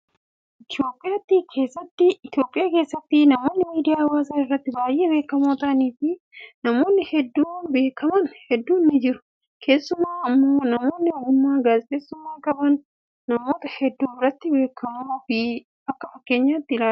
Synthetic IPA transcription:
ʔɪt̪ɪjo̞ːpʼɪjaːt̪ːikʰe̞ːsːɐt̪ːɪɪt̪ɪjo̞ːpʼːɪjaːke̞ːsːɐt̪ːɪnɐmo̞ːnːɪmiːd̪ɪjaːɐwaːsaːɪrːɐt̪ːɪbaːjʔːe̞ːbe̞ːkːɐmoːt̪ɐniːfɪ | nɐmo̞ːnːɪhɛd̪ːuːbe̞ːkʰɐmɐnhɛd̪ːuːnːɪd͡ʒɪɾʊ̥ | kʰe̞ːsːʊmaːɐmːoːnɐmo̞ːnːɪɔɡʊmːaːɡaːzt̪eːsːʊmːaːkʼɐbɐnː | ɐmo̞ːt̪ɐhɛd̪ːuːbɪɾɐt̪ːɪbe̞ːkʰːɐmoːfɪ | ɐkːɐfɐkːe̞ːɲːaːt̪ːɪlaː

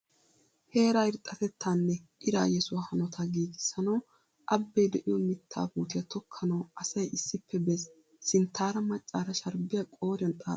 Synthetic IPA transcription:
he̞ːɾaɪɾt̪ʼːɐt̪ɛt̪ːaːnːɛʔɪɾa̰ːjɛsʊwahɐnɔt̪ʰɐɡiːɡ̪ɪsɐnɐw | ʔɐbːɛjd̪ɛʔɪjɔmɪt̪ʰːa̰ːbuːt̪ɪjɐt̪ʰɔkʰːɐnɐwɐsɐjʔɪsːɪpʰːɛbɛsː | ɪnt̪ʰːaːɾɐmɐt͡ʃʼːaːɾɐʃɐɾbɪjakʼo̞ːɾɪjɐnt̪ʼa̰ː

